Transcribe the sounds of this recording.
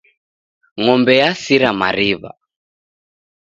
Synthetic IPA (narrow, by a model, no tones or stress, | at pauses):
ŋɔmbɛjasiɾama̰ɾiβa̰